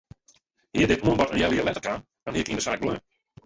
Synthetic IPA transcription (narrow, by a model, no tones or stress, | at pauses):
hiədɪtuənbɔtənjɛlˠiəlɛtərkʰan | d̥ɔniəkindəsaːk̚blɛn